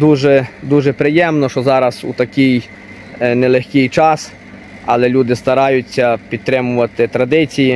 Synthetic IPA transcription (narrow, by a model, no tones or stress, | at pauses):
d̪uʒɛd̪uʒɛpɾɪjɛmnɔʃɔzɑɾɐsṵt̪ɐkʲij | nɛlˠexʲkʲijt͡ʃɑs | ɐlˠɛlʲud̪ɪst̪ɐɾɑjʊt͡sʲːɐpʲid̪̚t̪ɾɪmʊʋɐt̪ɪt̪ɾɐd̪ɪt͡sʲiji